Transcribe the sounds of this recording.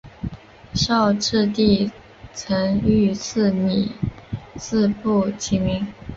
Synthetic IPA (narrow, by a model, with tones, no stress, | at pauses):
ɕjɑ˥˧ʊʈ͡ʂɻ̩˥˧t̪i˥˩ | t͡sʰə˧˥ŋy˥˧t͡s̩ʰ˥˩ni˨˩˦ | sɹ̩˥˧pu˥˩t͡ɕʰi˧˥mi˧˥ŋ